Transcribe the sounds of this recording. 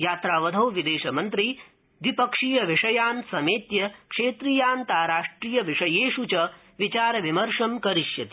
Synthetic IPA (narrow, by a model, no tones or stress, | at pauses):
jaːt̪ɾaːʋɐd̪ʱɐwʋid̪eːʃɐmɐnt̪ɾi | ʋipɐkʂiːjɐʋiʂɐjaːnsɐmeːt̪jɐkʂeːt̪ɾiːjaːnt̪aːɾaːʂʈɾiːjɐʋiʂɐjeːʃut͡ʃɐ | ʋit͡ʃaːɾɐʋimɐɾʂɐmkɐɾiʃjɐt̪i